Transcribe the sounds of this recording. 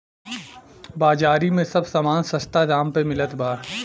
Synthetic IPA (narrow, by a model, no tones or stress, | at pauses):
baːd͡ʒaːɾimẽsɐbsaːmaːnsɐst̪ad̪aːmpemɪlət̪baːɾ